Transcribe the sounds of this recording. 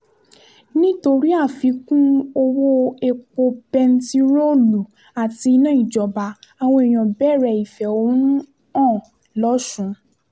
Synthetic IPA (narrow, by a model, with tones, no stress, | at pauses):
nĩ˦to˧ɾi˦a˦˨fi˨˧˦kũ˦o˧wo˦e˧k͡po˧bɛ˧n̩˦ti˧ɾo˦lu˨ | a˨ti˧i˧nã˦ĩ˦˨d͡ʒɔ˨ba˧a˨w̃ɔ̃˧e˨j̃ã˨bɛ˦˨ɾɛ˧˨i˨fɛ˨o˧wũ˦ | ɔ̃ː˦˨ | lɔ˨˦ʃũ˨˦